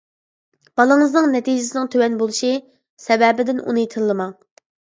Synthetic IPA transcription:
b̥ɑlˠɨŋɨznɨŋnɛt̪ʰid͡ʒɪsɪnɪŋt̪ʰøwɛnbolˠuʃi | sɛvɛbɪd̪ɪnṵnɨjt̪ʰɨɾlˠɨmɑŋ

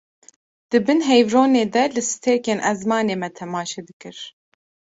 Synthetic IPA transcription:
d̪̥ɨbɨnɦɛjvɾoːneːd̪ɛlɨsɨ̥t̪ʰeːkeːnʔɛzmɑːneːmɛt̪ʰɛmɑːʃeːd̪ɨkɨɾ

